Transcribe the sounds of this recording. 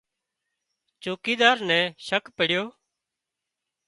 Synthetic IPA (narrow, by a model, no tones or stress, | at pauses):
t͡ʃoːkiːd̪aːɾnɛ̃ːʃəkpəɽjoː